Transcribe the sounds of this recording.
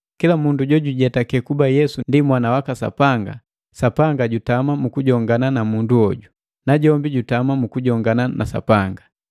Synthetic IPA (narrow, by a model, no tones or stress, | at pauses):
kilamunduɟɔɟuɟɛtakɛkubajɛsundimwanawakasa̰paŋɡa̰ | sapaŋɡaɟutamamukuɟɔŋɡananamunduɔɟu | naɟɔmbiɟutamamukuɟɔŋɡananʔa̰sa̰paŋɡa